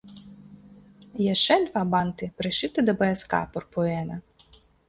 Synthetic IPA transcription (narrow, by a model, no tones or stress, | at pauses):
jɛʃt͡ʃɛd̪ʋɑbɑnt̪ɪpɾɪʃɪt̪ɪd̪ɐbɐjɐskɑ̰pɔrpɔɛnɐ